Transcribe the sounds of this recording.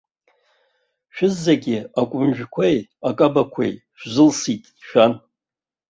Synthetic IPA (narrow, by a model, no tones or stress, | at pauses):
ʃᶣʊzːaɡʲɪakʷʼʊmʒᶣkʷʰejakʼabakʷʰḛjʃʷᶣzɨlsitʼʃᶣan